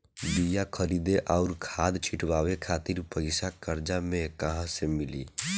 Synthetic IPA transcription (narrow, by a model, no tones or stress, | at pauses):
b̪ijakʰəɾid̪eʔaʊɾkʰad̪t͡ʃʰiʈʰʋawekʰat̪iɾpəɪsakəɾd͡ʒamẽkəɦãsemilḭ